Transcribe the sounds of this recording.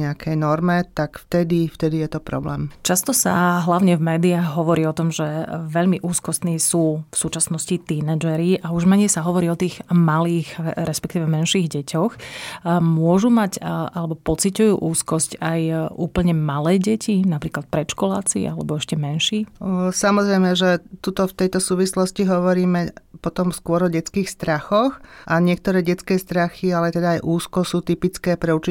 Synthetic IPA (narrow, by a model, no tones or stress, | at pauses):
ɲɛakʰɛjnɔɾmɛt̪akft̪ɛd̪ift̪ɛd̪ijɛt̪ɔpɾɔ̰blɛːmt͡ʃast̪ɔsa̰ɦlaʊɲɛvmɛːd̪iaːɣɦɔʋɔɾiːɔt̪ɔmʒɛʋɛʎmiʔuːskɔst̪niːsuːfsuːt͡ʃasnɔscit̪inɛd͡ʒɛɾiʔauʒmɛɲɛjsaɦɔʋɔɾiːɔt̪iːɣmaliːɣɾɛspɛk̚t̪iːʋɛmɛnʃiːɣɟɛcʰɔx | mʊɔʒumacalɛbɔpɔt͡sicujuːʔuːskɔscajʔuːpl̩ɲɛmalɛːɟɛcʰinapɾiːklat̪̚pɾɛʃkɔla̰ːt͡sḭʔa̰lɛbɔɛʃcɛmɛnʃiːsamɔzɾɛjmɛʒɛt̪ut̪ɔft̪ɛjt̪ɔsuːʋislɔsciɦɔʋɔɾiːmɛpɔt̪ɔmskʊɔɾɔɟɛt͡skiːxst̪ɾaxɔxʔaɲɪɛk̚t̪ɔɾɛːɟɛt͡skɛːst̪ɾaxialɛt̪ɛd̪aːjʔuːskɔsuːt̪ipit͡skɛːpɾɛut͡ʃi